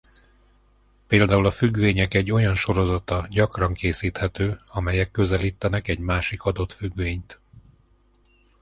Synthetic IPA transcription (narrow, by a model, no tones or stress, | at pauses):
peːld̪aːulɒfyɡʋeːɲɛkɛɟːo̞jɒnʃo̞ɾo̞zɒt̪ɒɟɒkrɒŋkeːsiːt̪hɛt̪øːɒmɛjɛkːø̞zɛliːt̪ːɛnɛkɛɟmaːʃikɒd̪o̞t̪fyɡʋeːɲt̪